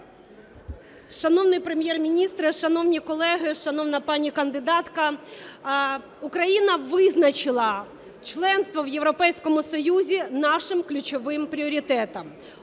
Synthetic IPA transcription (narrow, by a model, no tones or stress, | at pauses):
ʃɐnɔwnɪjpɾemʲjɛrmʲinʲist̪ɾɪʃɐnɔwnʲikɔlˠɛɦɪʃɐnɔwnɐpɑnʲikɐnd̪ɪd̪ɑt̪kɐ | ʊkɾɐjinɐʋɪznɐt͡ʃɪlˠɐ | t͡ʃlˠɛnst̪ʋɔwjewɾɔpɛjsʲkɔmʊsɔjuzʲinɑʃɪmklʲʊt͡ʃɔʋɪmpɾʲiɔɾʲit̪ɛt̪ɐm